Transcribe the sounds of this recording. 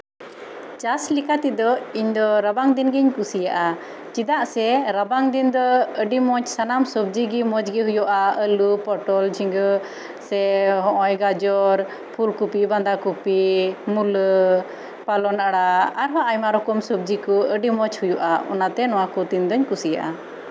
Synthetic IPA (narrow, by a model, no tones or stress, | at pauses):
t͡ʃaslikat̪id̪ɔiɲd̪ɔɾabaŋd̪inɡiɲkusijaʔa | t͡ʃid̪aʔsɛɾabaŋd̪ind̪ɔəɖimɔt͡ʃsanamsəb̚d͡ʒiɡimɔd͡ʒɡiɦujɔʔaəlupɔʈɔld͡ʒiŋɡə | sɛɦɔ̃ʔɔjɡad͡ʒɔɾ | pʰulkupiband̪akupimulə | palɔnʔaɽaaɾɦaʔajmaɾɔkɔmsɔb̚d͡ʒikɔəɖimɔt͡ʃhujɔʔaɔ̰nat̪ɛnɔwakɔd̪ind̪ɔɲkusija̰ʔa